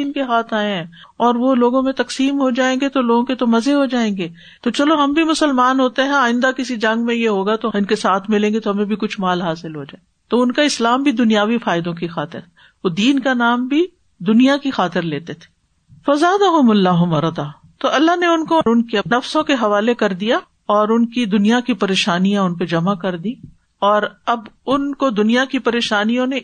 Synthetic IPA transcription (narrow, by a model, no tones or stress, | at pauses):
iːnkeɦaːt̪ʰaːẽɦɛ̃ː | ɔːɾʋoloːɡõmẽt̪ɐksiːmɦod͡ʒaːẽːŋɡet̪oloːɡõket̪omɐzeɦod͡ʒaːẽːŋɡeː | t̪ot͡ʃɐloɦɐmbʱimʊsəlmaːnɦoːt̪eɦɛ̃aːɪ̃nd̪akɪsid͡ʒɐ̃ŋɡmẽjeɦoːɡat̪oɪnkesaːt̪ʰmɪlẽːɡet̪oɦɐmẽbʱikʊt͡ʃʰmaːlɦaːsɪlɦod͡ʒae | t̪oʊnkaɪslaːmbʱid̪ʊnijaːʋifaːɪd̪õkixaːt̪ɪ̰ɾ | od̪iːnkanaːmbʱi | d̪ʊnijakixaːt̪ɪɾleːt̪et̪ʰe̥ː | fɐzaːd̪ɐɦʊmɐlːaːɦʊmɐɾd̪aː | t̪oʔɐlːaɦneʊnkoʊnkiɐnɐfsõkeɦɐʋaːlekɐɾd̪ija | ɔːɾʊnkid̪ʊnijakipɐɾeːʃaːnijãʊnped͡ʒɐmakɐɾd̪i | ɔːɾɐbʊnkod̪ʊnijakipɐɾeːʃaːnijõnẽ